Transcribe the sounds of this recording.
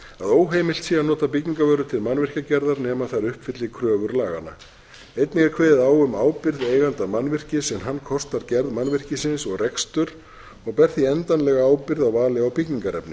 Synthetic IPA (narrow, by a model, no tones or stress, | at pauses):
aðoːwɦeːjmɪlt̪sianɔːt̪ap̬icɲiŋkavœːɾʏt̪ʰɪlmanvɪr̥cacɛɾðaɾnɛːmaθaɾʏhpfɪt̪lɪkʰɾœːvʏɾlaːɣa̰na̰ | ejt̪nɪŋɣaɾkʰveːjðɪðaːwʏmaːwpɪɾðeːjɣant̪amanːvɪr̥cɪsɛmɦanːkʰɔst̪aɾcɛɾðmanvɪr̥cɪsɪnsɔɣrɛkst̪ʏɾ | ɔɣpɛr̥θiɛnt̪anlɛɣaaːwpɪɾðawvaːlɪawpicɲiŋkaɾɛ̰pnɪ